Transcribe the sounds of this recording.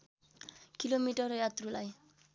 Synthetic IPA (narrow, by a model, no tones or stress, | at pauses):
kilomiʈɔɾjat̪rulaj